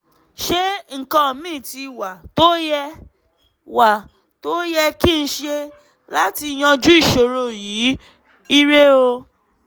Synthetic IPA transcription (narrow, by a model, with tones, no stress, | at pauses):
ʃe˦ŋ̩˨kã˧˦˨mĩː˦˨ti˧wa˨to˦jɛ˧ | wa˨ | to˦jɛ˧ki˦n̩˦ʃe˦˧ | la˦ti˧j̃ã˧d͡ʒu˦i˦˨ʃo˨ɾo˧ji˨˦ | i˦ɾe˦o˧